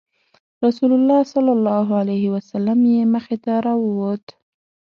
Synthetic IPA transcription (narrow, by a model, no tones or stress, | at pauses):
ɾɑsulʊlːɑsalːɑlːɑɦualajhɪwasalːamjeməxet̪aɾɑwəwot̪